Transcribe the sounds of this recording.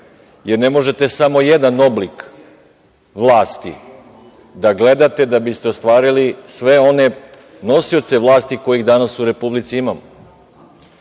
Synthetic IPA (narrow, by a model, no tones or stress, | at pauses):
jeɾne̞mo̞ʒe̞t̪e̞samo̞jed̪ano̞blik | ʋlˠaːst̪ḭ | d̪aɡle̞d̪at̪e̞d̪abist̪e̞ost̪ʋaːɾilisʋe̞o̞ne̞ | no̞siot̪se̞ʋlˠaːst̪iko̞jiɣd̪anasuɾe̞publit̪siimamo